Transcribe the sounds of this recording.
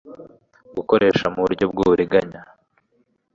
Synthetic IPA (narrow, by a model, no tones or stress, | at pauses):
ɡuko̞ɾʔe̞ːʃamuβuɾɟo̞b̚ɡuːβuɾiɡaɲa